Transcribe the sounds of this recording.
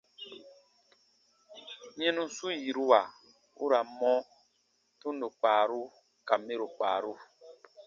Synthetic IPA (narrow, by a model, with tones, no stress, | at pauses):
ɲɛ̃˦nũ˦su˦ji˨ɾu˦wa˨ | ṵ˦ɾa˨mɔ̃˦ | tũ˦n˦do˨k͡paː˨ɾu˦ | ka˨me˦ɾo˨k͡pa̰ː˨ɾu˦